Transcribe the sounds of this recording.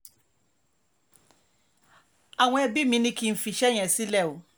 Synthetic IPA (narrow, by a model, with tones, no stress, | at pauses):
a˨ŋʷɔ̃˦ɛ˨bi˦mĩ˦nĩ˦kʰĩ˨m̩˨fi˨ɕɛ˦ɲɛ̃˨si˦lɛ˦˨wʊ˨